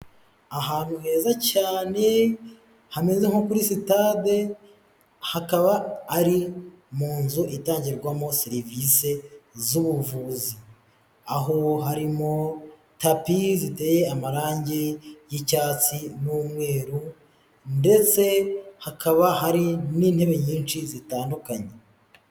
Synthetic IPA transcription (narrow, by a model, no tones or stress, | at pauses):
aɦaːn̥huhe̞ːzacaːne̞ | hame̞ze̞ŋo̞kuɾisitade | hakaβaːɾi | muːnzuʔitaːɲɟiɾɾɡwamo̞siɾivise̞zuβuvuːzi | aɦoɦaɾimo | tapizite̞ːje̞amaɾaːɲɟejicaːt͡sinumŋe̞ːɾu | nde̞t͡se̞hakaβaɦaɾiniːn̥he̞βe̞ɲiːnʃizitaːndukaɲe